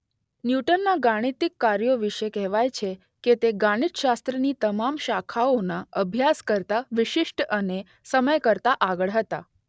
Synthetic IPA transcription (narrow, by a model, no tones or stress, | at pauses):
njuʈənːaɡaɽ̃it̪ikːaɾjoʋiʃekɛɦʋajt͡ʃʰe | ket̪eɡaɽ̃it̪ʃast̪ɾənit̪əmamʃakʰaonaəbʱjaskəɾt̪aʋɪʃɪʃʈəne | səməjkəɾt̪aʔaɡəɭɦət̪a̰